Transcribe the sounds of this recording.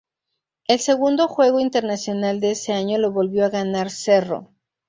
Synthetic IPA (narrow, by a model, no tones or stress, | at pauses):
e̞lse̞ɣund̪o̞xwe̞ɣo̞int̪e̞ɾnasjo̞nald̪e̞ese̞aɲo̞lo̞βo̞lβjo̞aɣanaɾse̞ro̞̰